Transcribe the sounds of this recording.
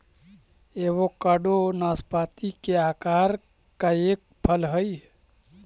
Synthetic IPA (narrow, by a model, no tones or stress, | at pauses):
eβokəɖonaspat̪ikeakaɾ | kaek̚pʰəlɦəj